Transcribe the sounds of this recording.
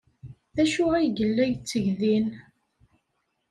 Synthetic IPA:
ðæʃʊʁæjɡəlːæjt͡sːəʝðin

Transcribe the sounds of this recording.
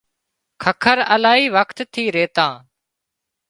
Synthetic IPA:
kʰəkʰəɾəlaːɦiːʋəkt̪t̪ʰiːɾeːt̪ãː

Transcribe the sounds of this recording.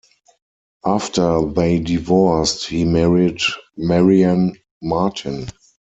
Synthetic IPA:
ʔaftʰə˞ðeɪdivɔsthiːmɛɹidmɛɹiãn | matʰɪ̃n

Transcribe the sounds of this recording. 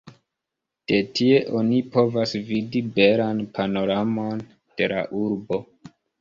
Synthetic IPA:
d̥e̞tie̞ʔo̞nipo̞vasvidibe̞lanpano̞ɾamo̞n | d̥e̞la̰ʔuɾbo̞

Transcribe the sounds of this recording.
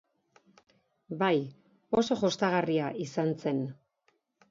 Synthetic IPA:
baj | o̞so̞ʝost̪aɣ̞ariaʔisant͡se̞n

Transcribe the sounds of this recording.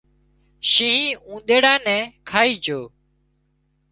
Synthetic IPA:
ʃĩːɦĩːũːɗ̪eːɽaːnɛ̃ːkʰaːiːd͡ʒʱoː

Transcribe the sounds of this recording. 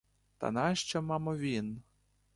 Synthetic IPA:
t̪a̰naʃt͡ʃɔmɑmɔʋʲin

